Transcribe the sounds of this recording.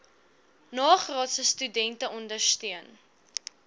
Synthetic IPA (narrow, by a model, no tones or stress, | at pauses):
nɑːχrɑːtsəstydɛntəʔɔndərstyən